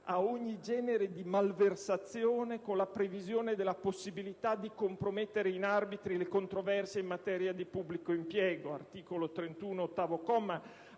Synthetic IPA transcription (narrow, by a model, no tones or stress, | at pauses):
aoɲːid͡ʒɛːneɾed̪imalversat̪sːjoːnekonlapɾevizjoːned̪elːaposːibilit̪ad̪ikompɾomet̪ːeɾeinarbit̪ɾilekont̪ɾovɛrsjeimːat̪ɛːɾjad̪ipubːlikoimpjɛːɡoa̰rt̪iːkolot̪ɾent̪uːnoːt̪ːaːvokɔma